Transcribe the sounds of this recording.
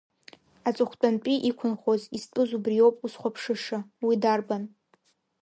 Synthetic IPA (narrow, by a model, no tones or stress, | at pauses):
at͡sʼʊχʷt͡pʷʼanpʼiʔikʷʰʊnχozispʼɨzubrijo̞wpʼusχʷapʰʂɨʂawidarban